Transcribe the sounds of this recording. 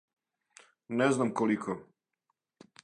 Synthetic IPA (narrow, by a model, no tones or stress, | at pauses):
neznamkolikʰo